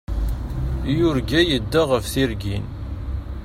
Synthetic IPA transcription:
jʊɾɡæjəd̪ːaʁəfθiɾɡin

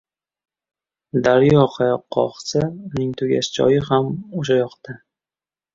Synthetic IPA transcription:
d̪aɾjɒqʰajɒqʰːɒ̰χsanɪŋt̪ʰʊɡʲa̰ʃɪd͡ʒɒ̰jɪhamoʃajɒqt̪a

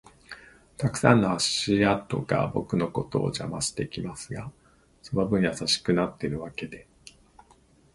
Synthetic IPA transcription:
t̪akɯ̟̥sã̰nːoaɕiat̪o̞̰ɡa̰bo̞̰kɯ̟no̞ko̞t̪o̞̰ːʑa̰maɕi̥t̪e̞kʲimasɨɡa | somabɯ̟̃ɰ̃jasaɕi̥kɯ̟nat̪ːe̞ɾɯ̟βake̞d̪e̞

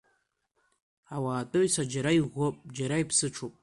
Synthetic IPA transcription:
awaːtʼoɥsad͡ʒaɾaiʁʷopʼd͡ʒaɾaipʰsɨʈ͡ʂʰopʼ

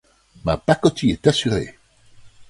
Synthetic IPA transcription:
mab̥akɔtʰiedasyɾeː

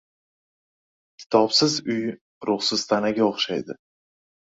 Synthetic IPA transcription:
kʲʰɪ̥t̪ʰɒpsɪzʊj | ɾʊχsɪz̥t̪ʰanaɡʲaoχʃajd̪ɪ

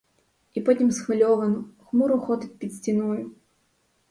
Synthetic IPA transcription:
ipɔtʲimsxvalʲɔvɐnuxmuɾuxɔt̪ɨt̚ʲpʲit̪sʲtʲinɔjʊ

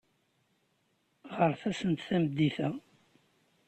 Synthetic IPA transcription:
ʁəɾθæsənt̪θæməd̪ːiθæ

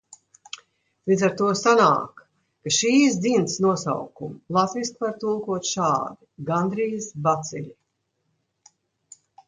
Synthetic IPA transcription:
lˠid̪zaɾt̪uɔsana̰ːk | kaʃiːs̬d̪zint̪snuɔsa̰wkumlˠat̪viskvaɾt̪ulˠkuɔt̪ʃaːd̪iɡand̪ɾiːsbat̪silʲi

